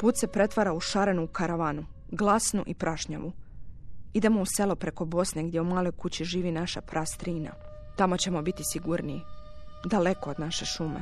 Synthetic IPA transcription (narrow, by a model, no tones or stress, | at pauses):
puːt̪se̞pɾe̞t̪ʋaɾauʃaɾenuːkaɾaʋaːnu | ɡlˠasnuʔipɾʔaʃɲa̰ʋu | id̪e̞mouse̞lo̞pɾe̞ko̞bo̞sneɡd̪je̞umaːlˠo̞jkut͡ɕiʒiːʋinaʃapɾʔast̪ɾiːna̰ | t̪amo̞t͡ɕe̞mo̞bit̪isiɡuɾnid̪ale̞kood̪naʃe̞ʃumḛ